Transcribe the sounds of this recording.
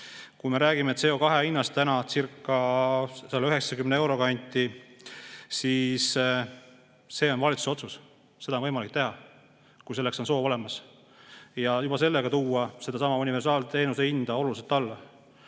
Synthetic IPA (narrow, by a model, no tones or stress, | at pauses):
kujme̞ɾæːɡ̥imet̪se̞o̞kɑɦe̞inːɑst̪ænɑt̪sirkːɑselːeyɦe̞ksɑkymneewɾo̞kɑnʲt̪ʲːˑi | siːs | se̞ːo̞nvɑlʲit̪su̥so̞t̪sus | se̞d̪ɑnvɤjmɑlik̚t̪e̞ɦɑ | kujs̬e̞lːekso̞nso̞ːvo̞le̞mɑs | jɑjub̥ɑse̞lːeɡ̥ɑt̪uːɑse̞d̪ɑsɑmɑunʲive̞rsɑːlt̪e̞ːnuseind̪ɑo̞luliselt̪ːɑlːɑ